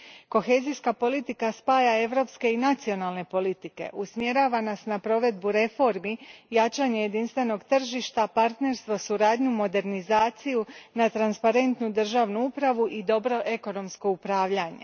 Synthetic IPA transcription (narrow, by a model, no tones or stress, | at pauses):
ko̞xe̞ːziskapo̞lit̪ikaspaːjae̞ʋɾo̞pske̞inat̪sio̞nalˠne̞po̞lit̪ike̞̰ʔusmje̞ɾaːʋanasnapɾo̞ʋe̞d̪buɾe̞fo̞ɾmijat͡ʃaːɲe̞je̞d̪inst̪ʋe̞no̞ɡt̪r̩ʒiʃt̪apaɾt̪ne̞ɾst̪ʋosuɾaːd̪ɲumo̞d̪e̞ɾnizaːt̪sijunat̪ɾanspaɾe̞nt̪nud̪r̩ʒaːʋnuupɾaʋuʔid̪o̞bɾo̞ʔe̞ko̞no̞msko̞upɾaːʋʎaɲḛ